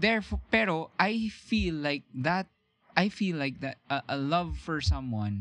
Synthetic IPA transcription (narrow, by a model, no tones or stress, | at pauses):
d̪ɛɹfpɛɾoʔajfilːaɪk̚ðat̪̚ | ʔajfilaɪk̚ðat̪̚ɐʔəlʌvfɔɹsʌ̃mwʌ̃n